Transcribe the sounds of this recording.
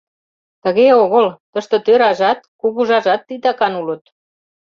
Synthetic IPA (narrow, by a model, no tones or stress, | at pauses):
t̪ə̆ɣeoɣəlt̪əʃt̪ŏt̪øɾɑʒɑt̪̚kuɣuʒɑʒɑt̪ːit̪ɑkɑnulə̆t̪̚